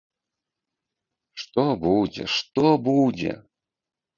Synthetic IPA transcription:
ʂt̪ɔbud͡zʲɛ̰ʂt̪ɔbud͡zʲɛ̰

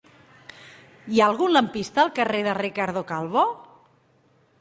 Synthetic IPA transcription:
iaəlˠɣunləmpist̪əːlˠkəreðərikaɾðokalˠβo

